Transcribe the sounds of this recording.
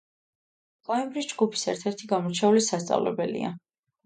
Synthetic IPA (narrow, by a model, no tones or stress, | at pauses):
kʼaɛbɾisd͡ʒɡupʰi̥sɛɾt̪ʰɛɾt̪ʰiɡamɔɾt͡ʃʰɛulisast̪sʼa̰vlɛ̰bɛlḭa̰